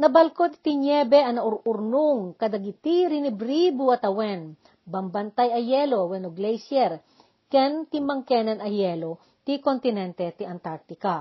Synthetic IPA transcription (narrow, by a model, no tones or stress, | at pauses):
nɐbɐlkot̪̚ɪ̥t̪ɪɲjɛbɛɐnɐʔʊɾʔʊɾnʊŋkɐd̪ɐɡɪt̪iɾɪnɪbɾibuɐt̪ɐwɛn | bɐmbɐnt̪ajɐjɛlowɛnoɡlɛjsjɛɾ | kɛnt̪ɪmɐŋkɛnɐnɐjɛlo | t̪ikont̪ɪnɛnt̪ɛt̪iʔɐnt̪aɾ̚t̪ɪka